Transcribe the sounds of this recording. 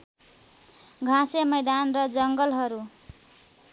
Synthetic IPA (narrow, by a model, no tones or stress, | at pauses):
ɡʱãsemʌjd̪anrʌd͡zʌŋɡʌlɦʌɾu